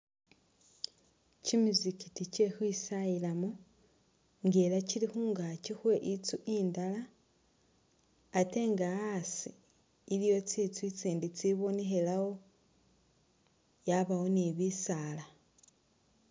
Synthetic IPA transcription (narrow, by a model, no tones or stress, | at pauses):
cimizikiticexwisailamo | ŋɡe̞lacilixuːŋɡacixwe̞ʔit͡suʔiːndala | te̞ːŋɡaasiː | lijo̞t͡sit͡swit͡siːndit͡siβonexe̞lawo̞ | jaβao̞neβisala